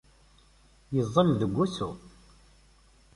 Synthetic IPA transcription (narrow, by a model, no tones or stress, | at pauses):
jəzˤːəmðəɡʷːusu